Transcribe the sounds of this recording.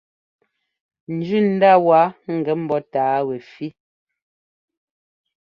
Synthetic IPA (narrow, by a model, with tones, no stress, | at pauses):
n̩˨d͡ʒʉ˦˨n̩˦da˦˨wa˨˦ŋ̩˨ɡɛ˨˦m̩˦bɔ˨˦taː˨˦wɛ˨fi˦